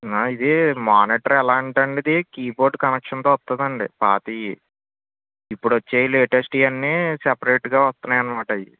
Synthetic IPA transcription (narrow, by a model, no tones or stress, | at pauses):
naid̪imaːniːʈɐɾɛlaːɳʈɐɳɖid̪ikiːbo̞ːɾɖkɐnekʂɐnt̪oːʋɐst̪und̪ɐɳɖḭpaːʈiːji | ipːuɽɐt͡ʃːeːjileːʈesʈiːɐnːisepɐɾeːʈɡaːʋɐst̪unːaːjɐnimaːʈɐjḭ